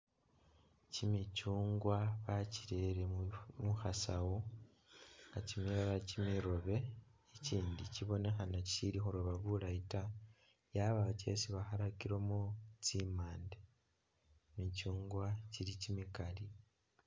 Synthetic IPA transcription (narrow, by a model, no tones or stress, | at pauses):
cimit͡ʃuːŋɡwaβaciɾeɾemuxasawo | ŋɡacimiɾaɾacimiɾo̞βe̞iciːndiciβo̞ne̞xanaci̥ilixoɾoβaβulaita | jaβaace̞̰siβaxaɾakiɾomot͡simaːnde | mit͡ʃuːŋɡwacilicimikali